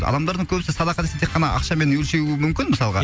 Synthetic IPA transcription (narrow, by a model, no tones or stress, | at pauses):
ɑ̰d̪ɑmd̪ɑɾd̪əŋkʲʰɵbɪsɪsɑd̪ɑqɑd̪eset̪ʰeqːɑnɑʔɑ̰qʃɑme̞nwɵlʃe̞wuɪmʏmkʲɪnməsɑlˠʁɑ̰